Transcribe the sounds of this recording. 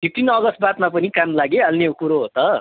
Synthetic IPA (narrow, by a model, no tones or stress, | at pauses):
dit̪ːinʌɡʌst̪̚bat̪mapʌnikamlaɡeɦalneokuɾoɦot̪ʌ